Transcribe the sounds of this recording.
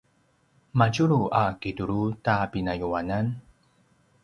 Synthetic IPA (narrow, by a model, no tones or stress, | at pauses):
macuɾuʔakituɾutapinajuanan